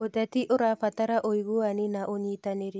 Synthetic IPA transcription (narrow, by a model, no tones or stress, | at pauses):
odat̪iʔoɾapataɾaʔojɡuaninaʔoɲitaneɾi